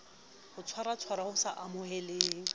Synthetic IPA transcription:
hʊt͡sʰwaɾat͡sʰwaɾahʊsaʔamʊhɛlɪːŋ̩

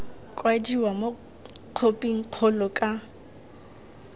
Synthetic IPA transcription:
kʼwadiwamo | q͡χʰopʼiŋ̩q͡χʰɔlɔkʼa

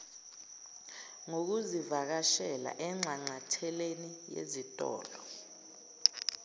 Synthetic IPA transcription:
ŋok̬uzivak̬aʃɛla̰ʔɛŋ͡ǁʱaŋ͡ǀatʰɛlenijḛzitʼɔ̰ːlɔ

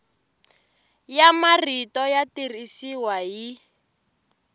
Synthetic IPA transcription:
jamaritɔjatirisiwaji

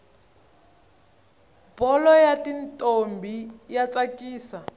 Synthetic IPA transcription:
bɔlɔjatintʼombʱijat͡sakiːsa

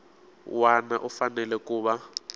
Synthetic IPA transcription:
wanaʔufanɛlɛkʼuːɓa

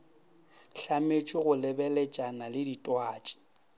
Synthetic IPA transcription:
ɬamet͡ʃʼɪɣʊlɛbɛlɛt͡ʃʼanalɪditʼwaːt͡ʃʼi̥

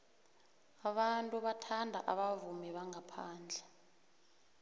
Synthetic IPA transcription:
aɓantʼuɓatʰandʱaʔaɓavumɛɓaŋʱapʰaːnd͡ɮʱɛ

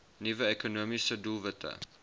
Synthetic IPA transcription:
nivəɛkonuəmisədulˠvətʰə̰

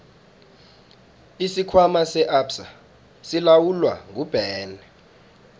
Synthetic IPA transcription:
isikʰwamasɛʔapsa | silawulwa̰ŋʱub̥ʱɛːlɛ

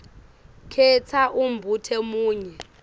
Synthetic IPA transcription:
kʰɛt͡sʰaʔumbʱutʰɛmuːɲɛ

